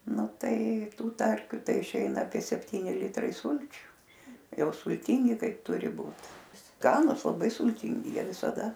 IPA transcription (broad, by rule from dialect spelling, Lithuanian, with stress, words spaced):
ˈnʊ ˈtɐɪ ˈtuː ˈtɐrʲkʲʊ ˈtɐɪ ɪʃʲˈɛɪnɐ ɐpʲiɛ sʲɛpʲˈtʲiːnʲɪ ˈlʲɪtrɐɪ ˈsʊlʲt͡ʃʲʊ ˈjɛʊ sʊlʲˈtʲɪŋʲɡʲɪ ˈkɐɪp ˈtʊrʲɪ ˈbuːt ˈskɑːnʊs lˠɐˈbɐɪ sʊlʲˈtʲɪŋʲɡʲɪ ˈjiɛ ʋʲɪsɐˈdɐ